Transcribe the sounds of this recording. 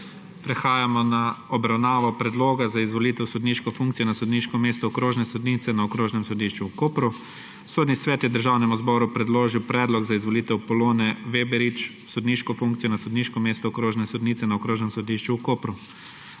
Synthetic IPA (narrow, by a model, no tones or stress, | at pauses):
pɾɛxaːjamɔnaɔbɾawnaːʋɔpɾɛd̪loːɡazaizʋɔlit̪ɛwsɔd̪niːʃkɔfuŋkt̪sijɔnasɔd̪niʃkɔmeːst̪ɔːkɾoːʒnɛsɔd̪nit̪sɛnaɔkɾoːʒnɛmsɔd̪iʃt͡ʃuwkoːpɾu | soːd̪nisʋɛːt̪jɛwd̪əɾʒaːwnɛmuzbɔɾupɾɛd̪loːʒiwpɾɛːd̪lɔɡzaizʋɔlit̪ɛwpɔloːnɛʋebɛɾit͡ʃ | sɔd̪niːʃkɔfuŋkt̪sijɔnasɔd̪niːʃkɔmeːst̪ɔkɾoːʒnɛsɔd̪niːtsɛnaɔkɾoːʒnɛmsɔd̪iʃt͡ʃuːkoːpɾu